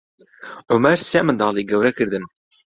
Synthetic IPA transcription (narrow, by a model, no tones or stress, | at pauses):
ʕʊmæɾsæʕmənd̪əʁliɡæwɾækəɾðən